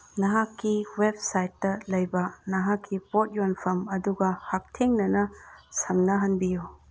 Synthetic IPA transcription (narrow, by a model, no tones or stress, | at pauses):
nɐɦakːiweb̚sajtːɐlɐjbɐnɐɦakʰːipot̚jonpʰɐmɐduɡɐhak̚tʰeŋnɐnɐsɐmnɐɦɐnbijo